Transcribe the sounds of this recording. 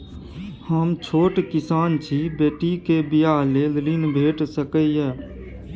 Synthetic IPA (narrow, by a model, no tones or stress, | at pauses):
həmt͡ʃʰoːʈkɪsaːnt͡ʃʰiːbeːʈiːkeːbijaːɦleːlliːnbʱeːʈsəkəːjɛː